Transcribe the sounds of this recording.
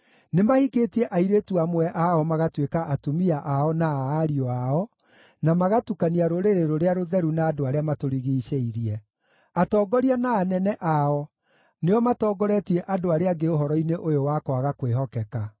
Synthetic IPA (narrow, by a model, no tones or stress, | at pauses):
nemahiketiɛʔaiɾetuamwɛʔaɔmaɣatwekaʔatomiaʔaɔnaːɾiɔaɔ | namaɣatukaniaɾoɾeɾeɾoɾeaɾoðɛɾunaːdoaɾeamatoɾiɣiːɕeiɾiɛ | atɔːɡɔɾianaːnɛnɛʔaɔ | neɔmatɔːɡɔɾɛtiɛʔadoaɾeaɡeoɦɔɾɔineʔojowakwaɣakweɦɔkɛka